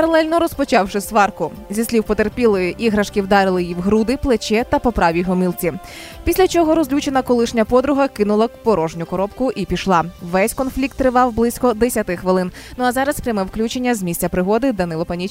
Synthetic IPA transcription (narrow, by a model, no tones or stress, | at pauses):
pɐɾɐlˠɛlʲnɔɾɔspɔt͡ʃɑwʃɪsʋɑrkʊzʲisʲlʲiwpɔt̪erpʲilˠɪiɦɾɐʃkiwd̪ɑɾɪlˠɪjiwɦɾud̪ɪplˠet͡ʃɛt̪ɐpɔpɾɑʋʲiɦɔmilˠt͡sʲi | pʲisʲlʲɐt͡ʃɔɦɔɾɔzlʲut͡ʃenɐkɔlˠɪʃnʲɐpɔd̪ɾʊɦɐkɪnʊlˠɐpɔɾɔʒnʲʊkɔɾɔpkʊʔipʲiʃlˠɑʋɛsʲkɔnflʲik̚t̪ːɾɪʋɑwblˠɪsʲkɔd̪esʲɐt̪ɪxʋelˠɪnnʊɐzɑɾɐspɾʲɐmɛwklʲut͡ʃe̞nʲːɐzmʲisʲt͡sʲɐpɾɪɦɔd̪ɪd̪ɐnɪlˠɔpɐnʲit͡ʃ